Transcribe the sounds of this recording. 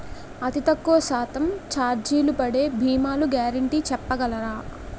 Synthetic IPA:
ɐt̪it̪ɐkːoʋɐsaːt̪ɐmt͡ʃaːɾd͡ʒiːlupɐɽe̞ːbʱiːmaːluɡaːɾɐɳʈiːt͡ʃɛpːɐɡɐlɐɾaː

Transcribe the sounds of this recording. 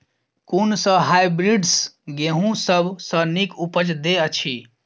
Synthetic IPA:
kunsə̃ɦajbɾiɖsɡeɦũsəbʱsənikupət͡ʃd̪eət͡ʃʰi

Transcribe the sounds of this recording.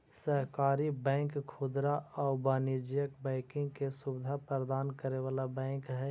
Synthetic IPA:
səɦkaːɾibɛ̃ːŋkkʰʊd̪ɾaɔːbaːnid͡ʒjəkbɛ̃ːkɪ̃ŋɡkesʊbɪd̪ʱapɾɾəd̪aːnkəɾeʋaːlabɛ̃ːkɦɛː

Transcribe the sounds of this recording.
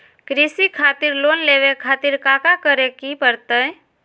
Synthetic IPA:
kɾisikʰaːt̪iɾloːnleʋekʰaːt̪iɾkaːkakəɾekipəɾt̪ə

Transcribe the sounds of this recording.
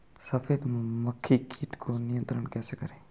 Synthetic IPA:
səfeːd̪məkʰːikʰiːʈkʰonijə̃nt̪ɾəɳkɛːsekəɾeː

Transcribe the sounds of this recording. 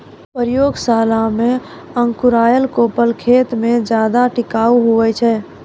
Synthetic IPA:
pəɾjoːɡsaːlamẽ | əŋkuɾaːjəlkoːpəlkʰeːt̪mẽd͡ʒjaːd̪aʈɪkaːuɦuʋɛt͡ʃʰɛː

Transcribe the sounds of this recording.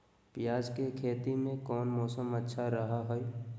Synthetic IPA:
pjaːd͡ʒkekʰeːt̪imẽkɔːnmɔːsəmətːʃʰaɾɐɦaɦoe

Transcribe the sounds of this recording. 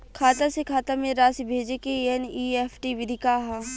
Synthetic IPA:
kʰaːt̪asekʰaːt̪amẽɾaːsibʱeːd͡ʒekeeniːeːfʰʈiʋɪd̪ʱɪkaɦã

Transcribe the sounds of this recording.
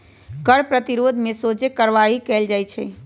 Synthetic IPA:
kəɽpɾət̪iɾod̪ʱmesot͡ʃekəɾʋaɦikɛld͡ʒajt͡ʃʰɛ

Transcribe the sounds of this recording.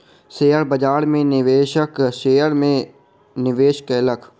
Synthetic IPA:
ʃeːjəɾbəd͡ʒaːɽmẽnɪʋeːʃəkʃeːjəɾmẽ | nɪʋeːʃkeləkʰ

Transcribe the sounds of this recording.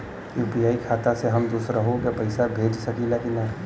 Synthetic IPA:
juːpiaːikʰaːt̪aseɦɐmd̪uːsɾaɦõkepɐɪsabʱeːd͡ʒsɐkilaːkinna

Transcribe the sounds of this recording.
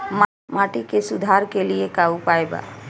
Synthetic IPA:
m | maːʈikesʊd̪ʱaːɾkeliekaupaːeba̰

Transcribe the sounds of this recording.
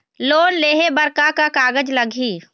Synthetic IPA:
loːnleːɦebəɾkakakaːɡəd͡ʒləɡʱiː

